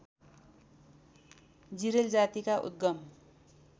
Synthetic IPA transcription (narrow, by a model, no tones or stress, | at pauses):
d͡ziɾeld͡zat̪ikaʔṵt̪̚ɡʌm